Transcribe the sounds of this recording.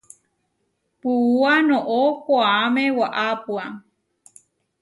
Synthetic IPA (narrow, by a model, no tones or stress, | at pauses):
puuanõʔokʷaamewaʔapwa